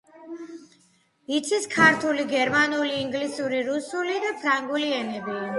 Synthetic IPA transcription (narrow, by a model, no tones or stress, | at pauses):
it̪sʰiskʰaɾt̪ʰuliɡɛɾmanuliːŋɡlisuɾiɾusulid̪apʰɾaŋɡuliɛnɛbi